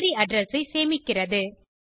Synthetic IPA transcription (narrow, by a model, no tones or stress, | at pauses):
ɾiɐɖɾɐsɐɪseːmɪkːɪrɐðɯ